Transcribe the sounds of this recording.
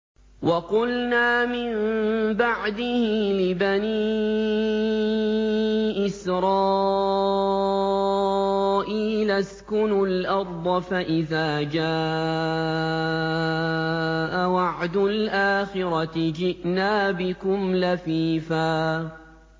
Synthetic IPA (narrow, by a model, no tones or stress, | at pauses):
wɑqʊlnaːmɪmbaʕd̪ɪhɪlɪbani | ʔɪsɾɑː | ʔiːlaskʊnʊlʔɑɾˤd̪ˤɑfaʔɪðaːd͡ʒaː | ʔawɑʕd̪ʊlʔaːxɪɾɑt̪ɪd͡ʒɪʔnaːbɪkʊmlafiːfaː